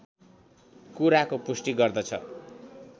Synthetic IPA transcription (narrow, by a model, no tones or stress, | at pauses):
kuɾakopusʈiɡʌrd̪ʌt͡sʰʌ̰